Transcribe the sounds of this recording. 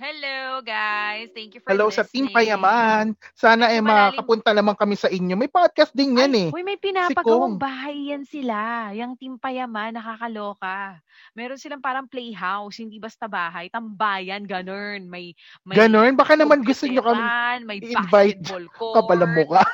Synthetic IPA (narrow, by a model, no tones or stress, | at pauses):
hɛloɡajst̪ɛŋkjufɛlowsɐt̪ɪmpɐjɐmansaːnɐʔɛmɐakɐpʊnt̪ɐnɐmaŋkɐmɛsɐʔɪɲo̞mɐjpad̪̚kɐst̪̚d̪ɪnjanɛʔojmɐjpɪnaːsɪpɐkɐowŋŋbaːɦɐjːɐnsɪlajɐŋt̪ɪmpɐjɐmanːɐkakɐloːkɐ | mɛːɾonsɪlaŋpaːɾɐŋplejɦawshɪnd̪ibɐst̪ɐbaːɦɐjt̪ɐmbaːjɐnɡɐnonmɐj | mɐɡɐnonbaːkanɐmanɡʊst̪oɲokɐmɪnɐjɪɪnvajt̪̚lkɐbɐlɐmːʊka